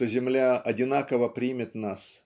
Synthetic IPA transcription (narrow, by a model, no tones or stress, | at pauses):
t̪ozʲɪmlʲaɐdʲɪnakəvəpɾʲimʲɪt̪nas